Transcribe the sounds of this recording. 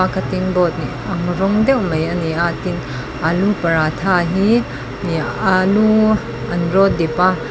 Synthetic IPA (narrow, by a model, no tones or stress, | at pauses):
akʰɐt̪ːinbɔt̪̚niʔɐŋrɔŋd̪ɛwmɐjɐniʔat̪in | ʔalupɐɾat̪ʰaɦi | nialu | ɐnrɔt̪̚d̪ipa